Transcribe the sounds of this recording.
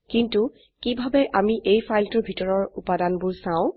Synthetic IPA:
kintu | kibʱabɛʔamiʔejpʰajltʊɹbʱitɔɹɔɹupadanbʊɹsãʊ̃

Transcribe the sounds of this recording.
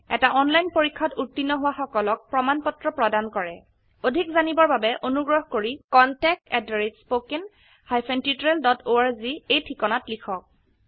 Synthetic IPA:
ɛ̰taʔɔnlajnpoɹikʰːɔtutːinːɔɦʊwaxɔkɔlɔk̚pɹɔmanpɔtɹɔpɹɔdankɔɹɛ̰ | odʱikzanibɔɹbabɛʔonuɡɹɔɦkoɹikɔntɛk̚tɛdɔɹitspokin | hajpʰentitɹeldɔtʰoaɹziejtʰikɔnatlikʰɔk̚

